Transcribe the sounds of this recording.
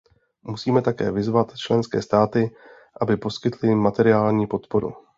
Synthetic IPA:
musiːmɛt̪akɛ̰ːvɪzvat̪t͡ʃlɛnskɛ̰ːst̪aːt̪ɪ | ʔabɪpo̞skɪt̪lɪmat̪ɛɾɪaːlɲiːpo̞t̪po̞ɾṵ

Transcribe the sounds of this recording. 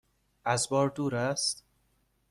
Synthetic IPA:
ʔæzbɒːɾd̪uːɾæst̪

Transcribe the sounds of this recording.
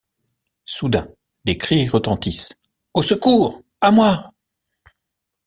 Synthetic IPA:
sud̪ɛ̃ | d̪ekχiʁət̪ɑ̃t̪is | osəkuːʁ | amwa

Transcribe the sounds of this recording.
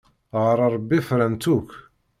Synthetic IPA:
ʁɾˤɑɾˤbːifɾænt̪uk

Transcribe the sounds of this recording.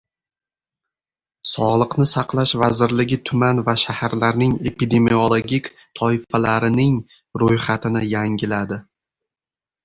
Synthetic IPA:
sɒʁlˠɨqnɪsaqlˠaʃvazɪɾlɪɡʲɪt̪ʰʊmanvaʃahaɾlaɾnɪŋe̞pid̪e̞mio̞lˠoɡʲikʲ | t̪ʰɒɪfalaɾɪnɪŋ | ɾojχat̪ʰɪnɪjaŋɡʲɪlad̪ɪ

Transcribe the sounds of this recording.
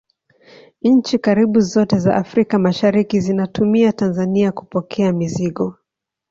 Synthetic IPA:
ɲ̩t͡ʃikaɾiɓuzɔtɛza̰ʔafɾikamaʃaɾikizinatumiatanzaniaku̥pɔkʰɛamiziɠɔ

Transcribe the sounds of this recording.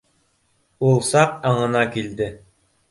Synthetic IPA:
ulˠsɑqɑɴɤ̆nɑkild̪ɘ

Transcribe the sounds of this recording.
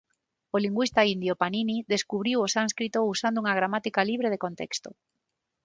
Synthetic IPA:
oliŋɡwist̪aind̪jopaniniðeskuβɾiwosanskɾit̪ousand̪ouŋaɣ̞ɾamat̪ikaliβ̞ɾeð̞ekont̪ɛ̰kst̪o

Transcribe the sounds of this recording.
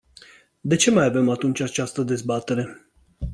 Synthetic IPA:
d̪e̞t͡ʃe̞majave̞mat̪unt͡ʃʲat͡ʃast̪əd̪e̞zbat̪e̞ɾe̞

